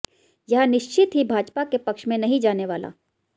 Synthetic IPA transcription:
jɐɦnɪʃt͡ʃɪt̪ɦibʱaːd͡ʒpakepɐkʃmẽnɐɦĩd͡ʒaːneʋaːla̰ː

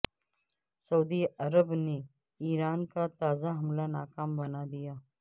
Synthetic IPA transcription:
sɐuːd̪iɐɾəbne | iːɾaːnkat̪aːzaɦɐmlanaːkaːmbɐnad̪ijaː

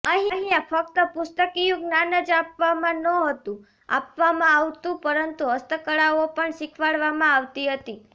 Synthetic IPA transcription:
əɦiəɦĩafək̚t̪əpʊst̪əkijũɡnanəd͡ʒapʋamãnəɦət̪ũ | a̰pʋamãaʋt̪ũpəɾənt̪uɦəst̪əkəɭaopəɳʃɪkʰʋaɭʋamãaʋt̪iɦət̪i

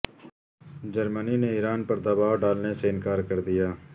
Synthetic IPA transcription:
d͡ʒəɾmənineiːɾaːnpɐɾd̪əːbaːʋɖaːlneseɪnkaːɾkəɾd̪ijaː

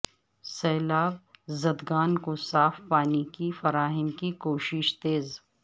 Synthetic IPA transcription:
sɛːlaːbzɐd̪ɡaːnkosaːfpaːnikifɐɾaːɦɪnkikoːʃɪʃt̪eːz

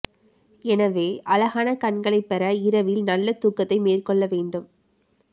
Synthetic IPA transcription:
ɛnɐʋeːʔɐlɐɣaːnɐkɐɳɡɐɭɐɪpːɛɾɐɪɾɐʋɪlnɐlːɐt̪ːuːkːɐt̪ːɐɪmeːrkɔɭːɐʋeːɳɖɯm

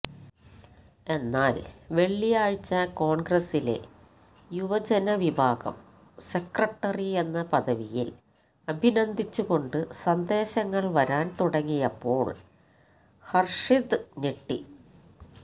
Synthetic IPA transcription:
e̞nːaːlʋe̞ɭːijaːɻt͡ɕːɐko̞ːɳɡrɐsile̞̰ | juʋɐd͡ʑɐnɐʋibʱaːɡɐ̰m | sekrɐʈːɐrie̞nːɐpɐðɐʋijḭl | ɐbʱinɐnd̪ʱit͡ɕːuɣo̞ɳɖɨsɐnd̪e̞ːɕɐŋːɐɭʋɐɾaːnt̪uɽɐŋːijɐpːo̞ːɭ | hɐrʂid̪ɨniʈːi

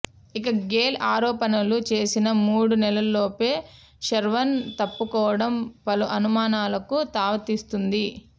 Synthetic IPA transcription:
ikɐɡeːlaːɾɔːpɐnɐlut͡ʃe̞ːsinɐmuːɽunɛlɐlloːpe̞ː | ʃɐɾʋɐnt̪ɐpːukɔːʋɐɽɐmpɐluʔɐnumaːnaːlɐkut̪aːʋɐt̪ist̪und̪i

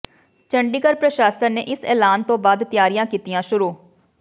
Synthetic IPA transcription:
t͡ʃəɳɖiːkəɾpɾəʃaːsənnḛːʔɪsɛːlaːnt̪õːbaːd̪t̪ɪjaːɾijãːkiːt̪ijãːʃʊɾuː

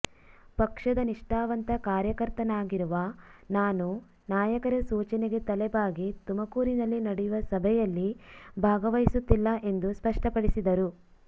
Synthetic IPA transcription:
pɐkʂɐd̪ɐniʂʈaːʋɐnt̪ɐkaːɾjɐkɐɾt̪ɐnaːɡiɾuʋɐnaːnu | naːjɐkɐɾɐsuːt͡ʃɐneɡe̞t̪ɐlɛbaːɡit̪umɐkuːɾinɐlːinɐɽɛjuʋɐsɐbʱɛjɐlːibʱaːɡɐʋɐjsut̪ːilːɐʔe̞nd̪uspɐʂʈɐpɐɽisid̪ɐɾu

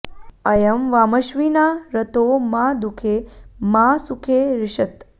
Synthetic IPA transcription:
əjəmʋaməʃʋinaɾət̪omãd̪ukʰemãsukʰeɾɪʃət̪

